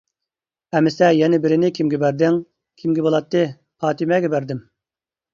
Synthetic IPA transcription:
ɛmɪsɛjɛnɪbɪɾɪnɪkʲʰimɡʲɛbæɾd̪ɪŋ | kʲʰimɡʲɛbolˠɑt̪ːɨ | pɑːt̪ɪmɛɡʲɛbæɾd̪ɪm

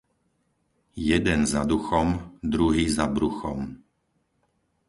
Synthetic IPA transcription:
jɛd̪ɛnzad̪uxɔmd̪ɾuɦiːzabɾuxɔm

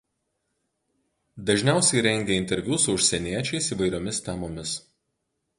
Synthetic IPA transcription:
d̪ɐʒʲnʲæˑʊsʲɛɪɾʲɛŋʲɡʲeːɪnʲt̪ʲɛɾʲʋʲjuːsʊʊʃʲsʲɛnʲiɛt͡ʃʲɛɪsiːʋɐɪɾʲoːmʲɪst̪ʲɛmoːmʲɪs

